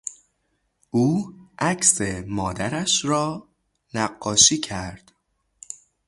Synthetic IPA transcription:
ʔuːʔæcse̞mɒːd̪æɾæʃɾɒː | næɢːɒːʃiːcʰæɾd̪̥

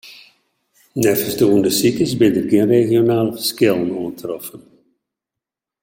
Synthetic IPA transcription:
nɛrfəsduəndəsikəsbɪntərɡiənreɣjonaːlˠfəskɪlˠənuəntrɔfən

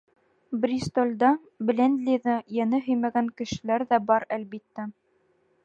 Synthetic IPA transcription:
brʲist̪olʲd̪ɑ | b̆lʲend̪lʲiðɤjænɘɦɵ̆jmæɡæŋkɘ̆ʃɘ̆læɾðæbɑɾælbit̪ːæ

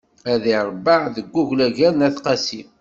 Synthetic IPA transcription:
æðiɾˤbəʕðəɡʷːuʝlæʝæɾnæθqɑsim

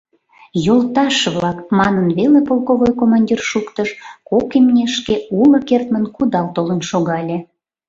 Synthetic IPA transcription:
jolt̪ɑʃβlɑkmɑnənβelepolˠkoβojkomɑnʲdʲirʃukt̪əʃkokimnʲeʃkeuləkert̪mənkud̪ɑlt̪olə̆nʃoɣɑlʲe

